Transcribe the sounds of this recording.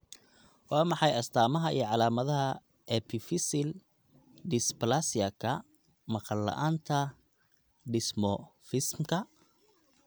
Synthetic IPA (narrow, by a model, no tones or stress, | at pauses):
wɑːmɑħɑjɐst̪ʰaːmɐɦɐḭjɞʕɑlaːmɐðɐɦɐ | ɛpʰɪfɪsɪl | dɪsplasiakʰɐ | mɐqɑlːɐ̰ʔaːnt̪ʰɐ | ɖɪsmɔfɪsmkʰɐ